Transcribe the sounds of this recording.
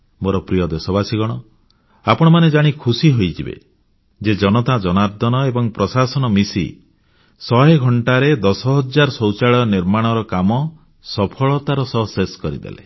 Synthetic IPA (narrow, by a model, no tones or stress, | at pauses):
moɾɔpɾijɔd̪esɔbasiɡɔɽ̃ɔ | apɔɽ̃ɔmaned͡ʒaɽ̃ikʰusiɦojd͡ʒʰibḛ | d͡ʒed͡ʒɔnɔt̪ad͡ʒɔnaɾd̪ʱɔnɔebɔŋpɾɔsasɔnɔmisḭ | sɔɦeɡʱɔɳʈaɾed̪ɔsɔɦɔd͡ʒaɾɔsɔwt͡ʃaɭɔɔniɾmaɽ̃ɔɾɔkamɔ | sɔpʰɔɭɔt̪aɾɔsɔɦseskɔɾḭd̪ḛlḛ